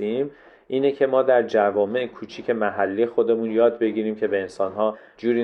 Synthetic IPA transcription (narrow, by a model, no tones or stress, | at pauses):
im | ʔiːnecʰe̞mɒːd̪æɾd͡ʒævɒːme̞ʔekʰuːt͡ʃʰiːcʰe̞mæɦælːijexo̞d̪e̞muːnjɒːd̪be̞ɡiːɾiːmcʰe̞be̞ːnsɒːnɦɒː | d͡ʒuːɾi